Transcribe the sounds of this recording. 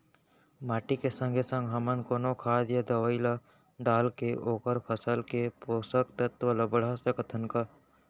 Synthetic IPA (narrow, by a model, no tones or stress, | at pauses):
maːʈikesə̃ŋɡʱesə̃ŋɡɦɐmənkoːnokʰaːd̪jad̪əʋəɪla | ɖaːlkeʔoːkəɾpʰəsəlkepoːsəkt̪ət̪ʋəlɐbəɽasekət̪ʰənka